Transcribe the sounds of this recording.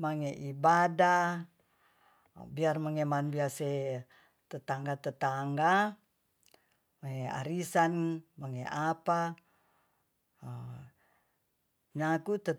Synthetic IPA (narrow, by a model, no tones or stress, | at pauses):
maŋeʔibada | biarmaŋemanbiase | t̪ət̪aŋɡat̪ət̪aŋɡa | maŋea̰ɾisanmaŋeapa | ɲakut̪ə